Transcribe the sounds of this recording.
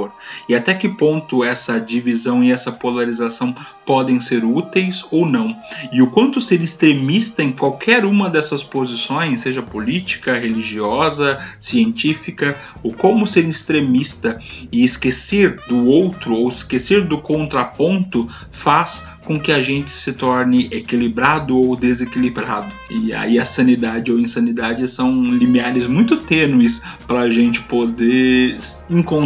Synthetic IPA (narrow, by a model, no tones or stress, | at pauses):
oɾɪat̪ɛkɪpõnt̪ʊɛsɐd͡ʒivizɐ̃w̃ɪɛsɐpolaɾizasɐ̃w̃ | pɔd̪ẽj̃seɾut̪ejsownɐ̃w̃ɪʊkwɐ̃nt̪ʊseɾɪst̪ɾemist̪ɐẽj̃kwawkʰɛɾũmɐd̪ɛsɐspozisõj̃sːeʒɐpolit͡ʃi̥kɐɦeliʒiɔzɐsiẽnt͡ʃifikɐ | ʊkõmʊseɾɪst̪ɾemist̪ɐ | ɪɪskeseɾd̪ʊowt̪ɾʊowɪskeseɾd̪ʊkõnt̪ɾɐpõnt̪ʊ | fas | kõkɪɐʒẽnt͡ʃɪ̥sɪt̪ɔɾnɪʔekilibɾad̪ʊowd̪ezekilibɾad̪ʊɪa̰iɐsɐ̃nid̪ad͡ʒɪowẽsɐ̃nid̪ad͡ʒɪsɐ̃w̃limiaɾɪzmũj̃t̪ʊt̪ẽnuɪspɾɐːʒẽnt͡ʃɪ̥pod̪e | ĩŋkõ